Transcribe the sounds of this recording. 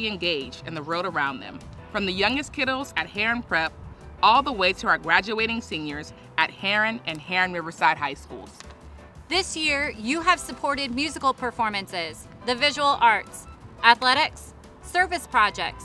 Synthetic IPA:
iɨ̃nɡeɪd͡ʒdɨ̃nðəɹoʊɾə˞ãʊ̃nðɨ̰̃ɱfɹʌ̃mðɨjʌ̃ŋɡɨskʰɪɾl̩ˠzɨt̚hɛɹɨ̃npʰɹ̥ɛp̚ɔlˠðəweɪtʰɨaɡɹæd͡ʒʉeɪɾɪ̃ŋsĩnjə˞z | ʔɨt̚hɛɹɨ̃nɨ̃nhɛɹɨ̃nɹɪvə˞saɪd̚ɦaɪskṵlˠz̥ | ðɪsjɪɹjɨɨv̥səpʰɔɹɾɨd̚mjʉzɨkl̩ˠpʰə˞fɔɹmɨ̃nsɪz | ðɨvɪʒəwl̩ˠʔɑɹtsʔæθlɛɾɪk̚sː | ɜ˞vɨspʰɹ̥ɑd͡ʒɛ̰k̚ts

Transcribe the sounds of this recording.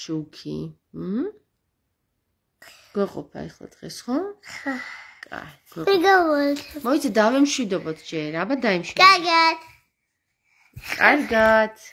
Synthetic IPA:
ʃukʰḭ | h̩ | ɡ̥wɛqʼɔ̰pʰa̰ɛχlˠa̰d̪̥ʁɛsχɔχakʼa̰jɡ̥wɛiɡalɔtmɔisʰɛd̪avɛmʃwid̪ɔbɔt̪ʰd͡ʒɛɾabad̪aimʃwikʼaɾɡat̪ʰ | kʼaɾɡat̪ʰ

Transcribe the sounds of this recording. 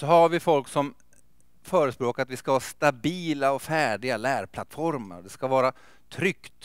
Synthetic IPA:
sɔɦaɾvɪfɔlksɔm | fœːɾəspɾoːkaɾat̪vɪskavɑːast̪abiːlaɔfæːɖɪɡalæːɾpʰlat̪fɔɾmə̰ɾd̪ɛskavɑːɾa | t̪ʰɾʏkt̪

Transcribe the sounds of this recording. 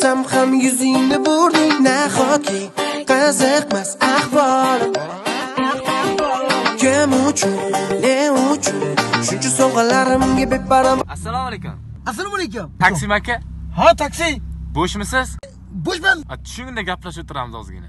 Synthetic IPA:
samhamjʊzɪnɪboɾd̪ɪŋnaχɒkʲʰɪqazɪqmasaχbɒɾ | kʲamʊt͡ʃʰʊnleʊt͡ʃʰʊnʃʊnt͡ʃʰʊsoʁɨlːaɾɪmɡʲabɪt̪̚baɾamasːalˠɔmalejkʲʊ̰m | as̬alɔmalek̬ʲʊmt̪ʰakʲsɪmakʲʰɪhat̪ʰakʲsɪjboʃmɪsɪz̥ | boʃmanat̪ʰʊ̥ʃʊŋʲɪnd̪aɡʲapʰlaʃʊt̪ʰʊɾa̰mɪzɒ̰zɪ̰ɡʲɪ̰na

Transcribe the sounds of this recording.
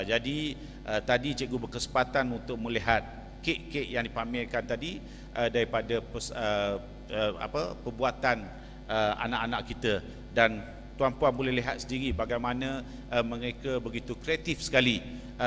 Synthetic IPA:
d͡ʒadi | ʔət̪adit͡ʃeʔɡubəkəsəmpat̪anunt̪ʊk̚mə̃liɦat̪̚ | keʔkeʔjaŋdipamɪlkant̪adi | ʔədaɾipadapəsə | əa̰pəpərbuat̪an | əa̰naʔanaʔkit̪ə | dan | t̪uanpuanbolɛhliɦat̪̚sədiɾibaɡajmanə̃ | mə̃ɾekəbəɡit̪ukɾeat̪ifsə̥kali

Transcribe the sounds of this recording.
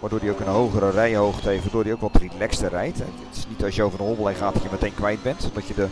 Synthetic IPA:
ʋardoːdiowkənɦowɣəɾərɛjɦowχteftʋadoːrdiowkʋɛlˠtəritlɛkstərɛjtɛ̰ɪɪ̥snitɑsjəowvərdəɦoblˠɛjχaːtdɔtjəmətejnkʋɛjd̚bɛntɔdɔtjədə

